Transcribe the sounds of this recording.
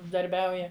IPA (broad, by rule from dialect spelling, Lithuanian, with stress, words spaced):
ʊʒdɐrʲˈbʲɛʊjɛ